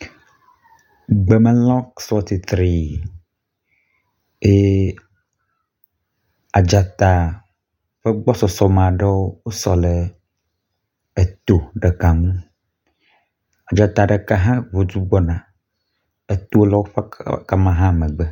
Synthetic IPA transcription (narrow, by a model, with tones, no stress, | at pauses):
ɡ͡bɛ˨mɛ̃˦lɔ̃˦ksfɔ˦t̪i˨t̪ɾi˦ | e˦ | a˨d͡ʒa˨t̪a˨ | ɸe˦ɡ͡bɔ˦sɔ˨sɔ˨mã˨ɖe˦wo˦wo˦sɔ˨le˨ | e˨t̪o˨ɖe˨ka˨ŋũ˦ | a˨d͡ʒa˨t̪a˨ɖe˨ka˦ɦã˦vo˨d͡ʒu˦ɡ͡bɔ˦nã˨ | e˨t̪o˦lɔ˦wo˦ɸe˦ka˦mã˦ɦã˦˨mẽ˨ɡ͡bə˦